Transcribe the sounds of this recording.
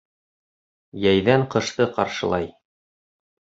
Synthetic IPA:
jæjðæɴqɤ̆ʃt̪ɤqɑ̰ɾʃɤ̆lˠɑj

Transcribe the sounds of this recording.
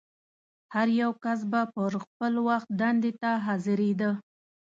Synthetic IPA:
haɾjawkas̬bapəɾxpəlwaxt̪̚d̪and̪et̪aɦɑzɪɾed̪ə

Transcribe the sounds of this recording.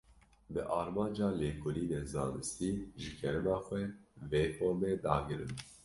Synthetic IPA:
bɨʔɑːɾmɑːnd͡ʒɑːleːkʊliːneːzɑːnɨst̪iːʒɨkʰɛɾɛmɑːxʷɛveːfoːɾmeːd̪ɑːɡɨɾɨ̰n

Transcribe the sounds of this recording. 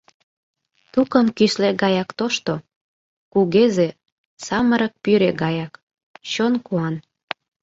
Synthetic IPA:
t̪ukənkyʃleɡɑjɑkt̪oʃt̪o | kuɣeze | sɑməɾə̆k̚pyɾeɡɑjɑk | t͡ɕonkuɑn

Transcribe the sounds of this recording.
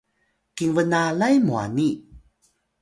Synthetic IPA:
kiŋvənalajmua̰ni

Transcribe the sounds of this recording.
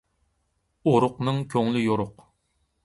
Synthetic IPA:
oɾʊqnɨŋkʲʰøŋlɪjoɾʊq

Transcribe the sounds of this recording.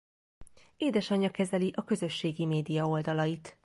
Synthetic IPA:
eːd̪ɛʃɒɲːɒkɛzɛliʔɒkø̞zø̞ʃːeːɡimeːd̪ijɒo̞ld̪ɒlɒjit̪

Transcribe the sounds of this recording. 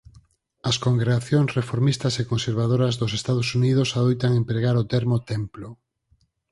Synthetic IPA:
ɐskoŋɡɾeɣaθjoŋsrefoɾmist̪ɐsekonseɾβ̞aðoɾɐzðosest̪að̞osuniðʊsaðojt̪aŋẽmpɾeɣaɾot̪eɾmot̪emplo

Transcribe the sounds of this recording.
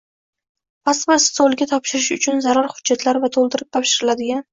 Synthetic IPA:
pʰast̪bɪɾsolˠɡʲat̪ʰɒpʃɪɾɪʃʊt͡ʃʰʊnzaɾaɾhʊd͡ʒːat̪ʰlaɾvat̪ʰolˠd̪ɪɾɪp̚t̪ʰɒpʃɪɾɪlad̪ɪɡʲan

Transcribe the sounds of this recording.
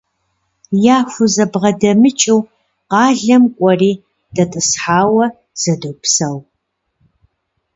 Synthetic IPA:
jaːxʷʊzɐbʁɐdɐmɨt͡ʃʼɪw | qɑːɮɐmkʷʼɔriː | d̥ɐtʼɨsħaːwɐ | z̥ɐdoːpsɐw

